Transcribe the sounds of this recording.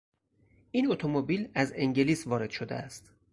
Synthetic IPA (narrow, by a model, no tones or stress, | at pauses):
ʔinot̪ʰomobiːlæzeŋɟe̞liːsvɒːɾe̞d̪̥ʃo̞d̪ḛæ̰st̪